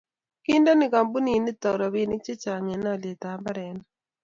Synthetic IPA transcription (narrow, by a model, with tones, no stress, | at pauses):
ki˦ndo˦nɪ˨ɡa˨mbu˦ni˨ni˦t̪ɔ˨ɾɔ˨wi˦ni˦k̚t͡ʃi˦t͡ʃa˨ŋe˨na˦˨lje˨t̪a˨˦mba˦ɾɛ˨n